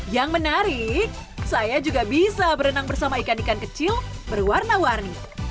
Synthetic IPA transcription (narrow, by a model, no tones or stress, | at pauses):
jaŋmənaɾɪk̚sajad͡ʒuɡabisabəɾənaŋbərsamaikanikankət͡ʃɪlbərwarnawarni